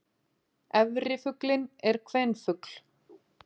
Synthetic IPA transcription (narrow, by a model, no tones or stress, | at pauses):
ɛvrɪfʏklɪnɛɾ̥kʰvɛnfʏkl̥